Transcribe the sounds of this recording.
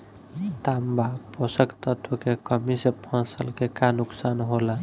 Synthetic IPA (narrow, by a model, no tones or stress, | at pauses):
t̪ambaposəkt̪ət̪ʰʋəkekəmisepʰə̃səlkekanuksanɦola